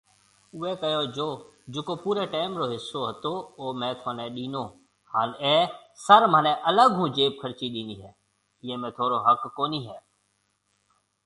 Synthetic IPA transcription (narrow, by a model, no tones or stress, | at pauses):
ʊeːkəjoːd͡ʒoː | d͡ʒʊkoːpuːɾeːʈeːmɾoːɦɪsːoːɦət̪oːoːmɛ̃ːt̪ʰaːnẽːɗiːnõː | haːneːsəɾmə̃nẽːʔələɡɦũːd͡ʒeːp̚kʰəɾt͡ʃiːɗiːniːɦɛː | ɪjẽːmẽːt̪ʰoːɾoːɦəkːoːniːɦɛː